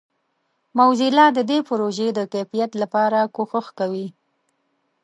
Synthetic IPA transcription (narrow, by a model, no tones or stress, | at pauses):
mawzilɑd̪əd̪epʊɾoʒed̪əkajfijat̪lapɑɾakoxəxkawi